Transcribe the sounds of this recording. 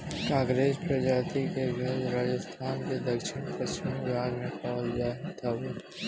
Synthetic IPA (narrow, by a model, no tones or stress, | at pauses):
kãːɡɾeːzpɾɐd͡ʒaːt̪ikeɡʱɐɾɾaːd͡ʒəst̪ʰaːnked̪ɐkʃɪñpɾɐst͡ʃɪmɡaːɾmẽpɔːld͡ʒaːɦt̪ʰɐʋ